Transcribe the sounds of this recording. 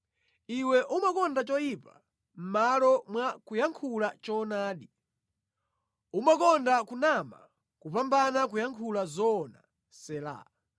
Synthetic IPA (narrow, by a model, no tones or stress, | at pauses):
iwɛʔumakɔndat͡ʃɔjipa̰ | m̩malɔmwakujaŋkʰulat͡ʃɔnaːɗi | umakɔndakunama̰ | kupambanakujaŋkʰulazɔna̰ | sɛla̰